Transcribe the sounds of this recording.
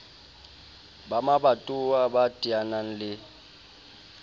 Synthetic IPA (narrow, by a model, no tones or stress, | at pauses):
bamabatʼuwabatʼianan̩lɪ